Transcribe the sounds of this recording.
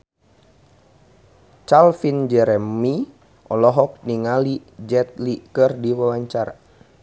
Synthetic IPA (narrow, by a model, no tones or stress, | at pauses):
t͡ʃalfind͡ʒɛɾɛmi | ɔlɔɦɔk̚niŋalid͡ʒɛt̪̚likərdiwawaɲt͡ʃaɾa̰